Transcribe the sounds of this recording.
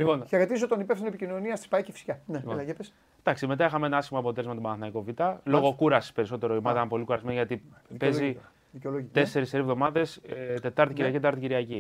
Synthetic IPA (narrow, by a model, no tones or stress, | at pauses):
liponçɐɾɐt̪isot̪onipefθinoepicino̞niɐst̪i̥spɐicefi̥si̥cɐnelɐʝepes | d̪ɐksime̞t̪ɐixɐmeenɐɐsçimoɐpo̞t̪elezmet̪obɐnɐθinɐiko̞vit̪ɐloɣo̞kuɾɐspe̞ɾiso̞t̪e̞ɾoimɐðɐnɐpo̞likuɐɾizmenʝɐt̪ipezi | ðiceoloʝit̪ese̞ɾiseɾivðo̞mɐðe̞st̪e̞t̪ɐɾt̪iciɾiɐcit̪et̪ɐɾt̪iciɾiɐci